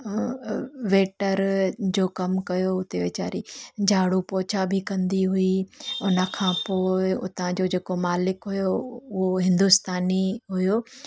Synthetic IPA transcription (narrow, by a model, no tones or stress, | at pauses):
ʋeːʈəɾd͡ʑoːkɐmkɐjoʊt̪eʋeːt͡ɕa̰ːɾid͡ʑʱaːɽupoːt͡ɕʰabʱɪkɐ̃nd̪iɦʊiʊnə̆kʰãːpoːɪʊ̰t̪ãd͡ʑod͡ʑeːkomaːlɪkɦʊjoʊɦoɦɪ̃nd̪ʊst̪aːniɦʊjoː